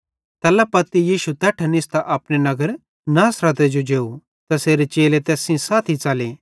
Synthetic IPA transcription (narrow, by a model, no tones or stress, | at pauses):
t̪ɛlapɐt̪ːijiːʃut̪ɛːʈʰɐnɪst̪aʔɐpɽenɐɡəɾ | naːsɾət̪ed͡ʒod͡ʒeːu | t̪ɐseːɾet͡ʃeːlet̪ɛːsĩsaːt̪ʰit͡saːleː